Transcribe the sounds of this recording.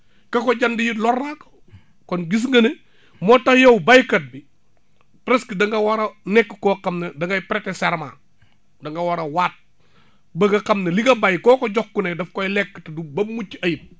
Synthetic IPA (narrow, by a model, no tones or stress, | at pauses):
kɐkɔɟɐndijilɔrnako̥ | kɔnɡis̬ŋɡɐne | mɔtɐjowbajkɐt̚bi | pɾɛskidɐŋɡɐwaɾɐnɛkːkɔːkɐmnedɐŋɡɐjpɾɛtɛsɛɾma̰ | dɐŋɡɐwaɾɐwaːt̚ | bɐɡɐkɐmnɐliɡɐbɐjkɔːkɔɟɔkːunedɐfkɔjlɛkːtdubɐbmut͡ʃːiɐjip̚